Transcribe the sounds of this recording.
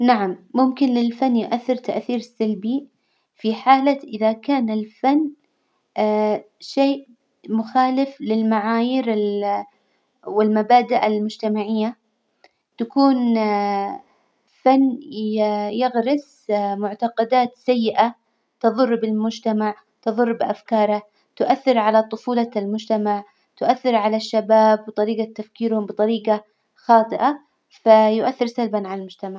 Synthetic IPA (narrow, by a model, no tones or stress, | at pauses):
naʕamːʊmkɪnlɪlfanːjʊʔaθːɪɾt̪aʔθiːɾsalbi | fiħaːlaʔɪðakaːnɪlfanː | ʃeːʔ | mʊxaːlɪflɪlmaʕaːjiɾɪl | wɪlmabaːd̪aʔalmʊd͡ʒt̪amaʕɪjːa | t̪akuːn | fanː | jɪɣɾɪs | mʊʕt̪aqɑd̪aːt̪sajːɪʔa | t̪ɨðˤʊrˤːbɪlmʊd͡ʒt̪amaʕ | t̪ɨðˤʊrˤːbɪʔafkɑːɾˤa | t̪ʊʔaθːɪɾʕalat̪ˤʊfuːlɑlmʊd͡ʒt̪amaʕ | t̪ʊʔaθːɪɾʕalaʃːabaːbːɨt̪ˤɑɾiːɡat̪ːafkiːɾhʊmbɨt̪ˤɑɾiːqa | xɑːt̪ˤɨʔa | fajʊʔaθːɪɾsalbanʕalalmʊd͡ʒt̪amaʕ